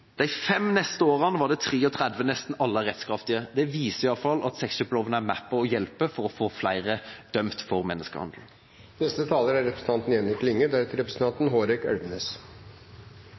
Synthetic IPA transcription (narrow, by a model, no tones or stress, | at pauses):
d̪̥æɪfɛmnɛst̪əoːʁɑnʋɑːɖ̪ɛt̪ʰʁeːɔt̪ʰʁæd̪ʋənɛst̪n̩ɑlːəʁɛt̪skɾɑft̪ɪəd̪ɛʋiːsəɪjɑlfɑlːɑt̪sɛksəblɔʋənəæmæpːəɔjɛlpəfɔʁɔfoːflæɪʁəd̪̥œmt̪fɔʁmɛnːəskə̰hɑ̰nd̪l̩ | nɛst̪ət̪ʰɑːləɾæɾɛpɾəsn̩ʰɑnt̪nɛnɾɪklɪŋːəd̪æɾt̪ʰɪɾɛpɾəsn̩t̪ɑnt̪n̩ɦoːɾɪkɛlʋəneːs